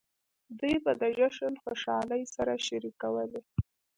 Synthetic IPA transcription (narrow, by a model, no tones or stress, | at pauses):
d̪ujbad̪əʒaʃəlxoʃɑləjsaɾaʃaɾikawəle